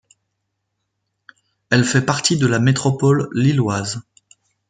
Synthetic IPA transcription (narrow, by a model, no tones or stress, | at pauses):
ɛlfɛpaʁt̪id̪əlamet̪χɔpɔlːilwaz